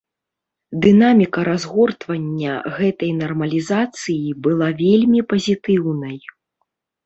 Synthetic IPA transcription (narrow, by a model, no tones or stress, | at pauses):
d̪ɨnamʲikɐɾazɣɔrt̪vɐnʲːɐ̰ɣɛt̪ɐjnɐrmɐlʲizat̪sɨjibɨlˠavʲelʲmʲipɐzʲit̪ɨwnɐj